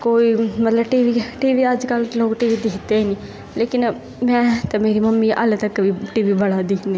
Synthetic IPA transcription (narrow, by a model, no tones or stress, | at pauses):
koːimɐt̪ləbʈiːʋiʈiːʋiəd͡ʒkəlloːkʈiːʋid̪eːt̪eni | leːkɪn | mɛ̃ːt̪ɐmeːɾimɐmːiʔə̰lt̪əkːbʱiʈiːʋibɐɽad̪ikne